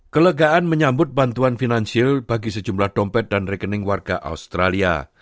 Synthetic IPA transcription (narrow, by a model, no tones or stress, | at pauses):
kələɡaʔanməɲambʊt̪̚bant̪uanfinansiɪlb̥aɡisəd͡ʒumlahdɔmpɛt̪̚danrekənɪŋwarɡa̰ʔa̰ust̪ɾalia̰